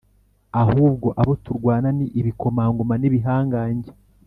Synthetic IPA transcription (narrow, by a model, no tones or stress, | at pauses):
ahuːbɡo̞ʔaβotuɾɡwaːnaniʔːβiko̞maːŋɡomaniβiɦaːŋɡaːɲɟe